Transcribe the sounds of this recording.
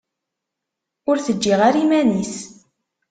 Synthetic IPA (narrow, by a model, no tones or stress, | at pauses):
ʊɾθəd͡ʒːiʁaɾimænis